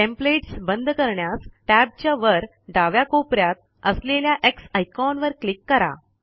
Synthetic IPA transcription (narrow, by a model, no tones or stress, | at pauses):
ʈẽmpleʈsbənd̪ʱkəɾɳjasʈæb̚t͡ɕjaʋəɾ | ɖaʋjakopɾjat̪̚ | əsleljaʔeksajkɔnʋəɾklikːəɾa̰